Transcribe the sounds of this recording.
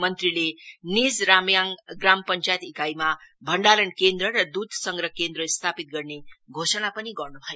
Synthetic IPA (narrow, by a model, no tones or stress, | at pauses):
mʌnt̪rilenid͡zɾamjaŋɡrampʌnt͡ʃajet̪ikajmabʱʌɳɖalʌnkend̪rʌɾʌd̪ud̪ʱsʌŋɡɾʌkend̪rʌst̪ʰapit̪̚ɡʌrneɡʱosʌnapʌniɡʌrnubʱʌjo